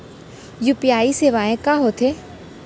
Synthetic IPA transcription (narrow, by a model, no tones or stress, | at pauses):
jupɪjaːiseːʋaːẽkaːɦoːt̪ʰe